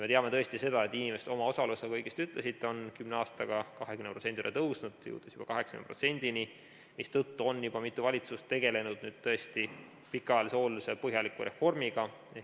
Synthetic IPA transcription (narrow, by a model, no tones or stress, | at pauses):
me̞t̪eɑmet̪ɤ̞est̪ise̞d̪̥ɑe̞t̪ːˑinʲimeset̪o̞mɑo̞sɑlusekɤjɡ̥ist̪yt̪ˑle̞sit̪ːeo̞nkymneɑːst̪ɑɡ̥ɑkɑɦekymneprosent̪ilḛt̪ɤwsnud̪̥jṵːd̪̥esjub̥ɑkɑɦeksɑ̥kyn̰pro̞̰tse̞nʲd̪̥ini | mist̪ɤt̪ːuo̞nːjub̥ɑmit̪ːˑuvɑlʲit̪sust̪ːe̞ɡ̥e̞le̞nud̪̥nyːd̪̥t̪ɤe̞st̪i | pikːˑɑjɑliseo̞ːlusepɤɦjɑlikˑuɾe̞fo̞rmiɡ̥ɑ